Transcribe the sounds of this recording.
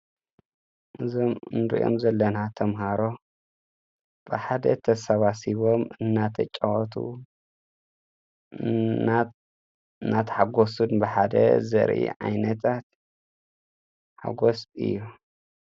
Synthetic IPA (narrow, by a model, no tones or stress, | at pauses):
ʔɨzomɨnɨɾḭʔo̰mzɐlːɐnat̪ʰɐmɦaɾo̞ | b̥ɨħad̪ɐt̪ʰɐsaβasiβomɨnːat̪ʰɐt͡ʃʼawɔt̪ʰṵ | nat̪ʰħaɡosunbɨħad̪ɐ̰zɐ̰ɾʔḭʕa̰jnɐt̪ʰat̪ | ħa̰ɡosɨ̰jːu